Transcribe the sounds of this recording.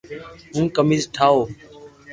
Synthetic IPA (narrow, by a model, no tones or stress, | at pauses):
ɦũːkəmiːzʈʰaːoː